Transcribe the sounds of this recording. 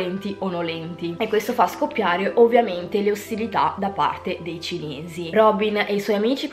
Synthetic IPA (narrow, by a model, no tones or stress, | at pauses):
ɛnt̪iʔonːolɛnt̪iekːwest̪ofaskopːjaːɾeʔovːjament̪eleost̪ilit̪ad̪apa̰rt̪ed̪ejt͡ʃineːzirɔbineiswɔjamiːt͡ʃi